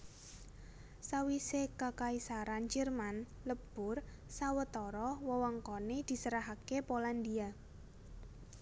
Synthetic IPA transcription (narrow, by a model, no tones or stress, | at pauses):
sawisekakaisaɾand͡ʒərman | ləb̥ʊr | sawət̪ɔɾɔwɔwɔŋkɔned̪̥i̤səɾaɦakepoland̪ia